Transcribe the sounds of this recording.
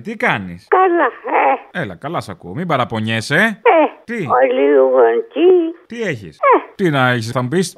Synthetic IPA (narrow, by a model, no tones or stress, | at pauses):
t̪ikɐnḭskalaeelɐ̰kɐlɐsɐkuomibɐɾɐpo̞ɲeseet̪ioliuɣoncit̪ieçḭset̪inɐeçsθɐmupis